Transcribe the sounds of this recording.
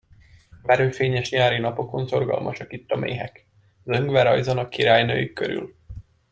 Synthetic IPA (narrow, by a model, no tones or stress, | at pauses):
bɛɾøːfeːɲɛʃɲaːɾinɒpo̞ko̞nso̞rɡɒ̰lmɒ̰ʃɒkit̪ːɒmḛːɦɛk | zøŋɡʋɛɾɒjzɒnɒkiɾaːjnø̰ːjikːøɾy̰l